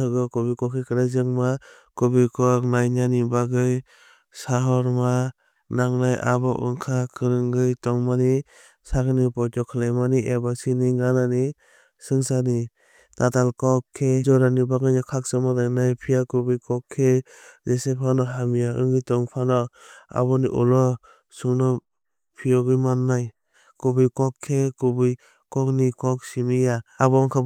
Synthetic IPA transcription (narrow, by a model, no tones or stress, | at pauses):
ɯɡɔkɔbikɔkʰekɯɾazɯŋma | kɔbikɔk̚najnanibaɡɯj | saɦɔɾma | naŋnajʔa̰bɔʔɯ̰ŋkʰakʰɯɾɯŋɡɯjtɔŋmani | saɡnipɔtɔkʰalajmaniʔebasiniŋanani | sɯŋsani | tatalkɔkʰːezɔɾanibaɡɯnakʰak̚sɯmadanajpʰijakɯbɯjkɔkʰːe | zesepʰanɔɦamijaɯŋɯjtɔŋpʰanɔa̰bɔnḭʔɔ̰lɔ | sɯŋnɔ | pʰijɔɡɯjmanːaj | kɔbɯjkɔkʰːekɔbɯj | kɔk̚nikɔk̚simijaːbɔŋkʰa